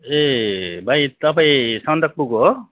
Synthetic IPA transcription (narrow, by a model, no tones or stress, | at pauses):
ebʱajt̪ʌpaĩsʌnd̪ʌk̚puɡo